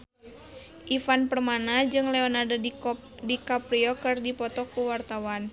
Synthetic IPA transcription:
ʔifanpərmanad͡ʒɨŋlɛɔnardo | dikapɾiɔkɨrdipɔt̪ɔkuwart̪awan

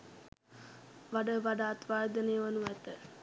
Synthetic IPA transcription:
ʋaɖəʋaɖaːt̪ʋaːɾd̪ɐnejəʋanuʋɛt̪ə

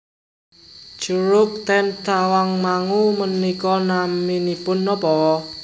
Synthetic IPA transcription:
d͡ʒ̥uɾʊk̚t̪ɛnt̪awaŋmaŋumənikɔnaminipʊnːɔpɔɔ

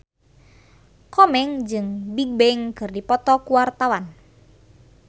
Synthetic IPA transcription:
kɔmɛŋd͡ʒɨŋbiɡ̚bɛŋkɨrdipɔt̪ɔkuwart̪awan

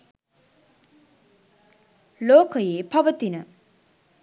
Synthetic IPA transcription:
loːkəjeːpʰɐʋət̪inə

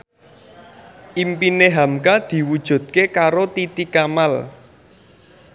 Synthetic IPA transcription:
ʔimpineɦamkad̪̥i̤wud̥ʒ̥ṳd̪̥̚kekaɾot̪it̪ikamal

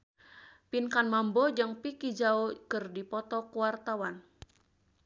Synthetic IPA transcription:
pinkanmambɔd͡ʒɨŋpikid͡ʒaokərdipɔt̪ɔkuwart̪awan

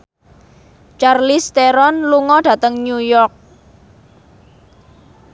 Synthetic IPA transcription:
t͡ʃarlist̪eɾɔnluŋɔɖ̥ä̤t̪əŋɲujɔrk̚

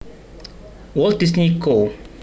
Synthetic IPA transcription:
wɔlt̚disnikʰo

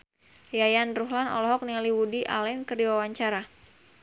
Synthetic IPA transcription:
jajanruɦlanɔ̰lɔɦɔk̚nialiwudiʔa̰lɛnkərdiwawaɲt͡ʃaɾa

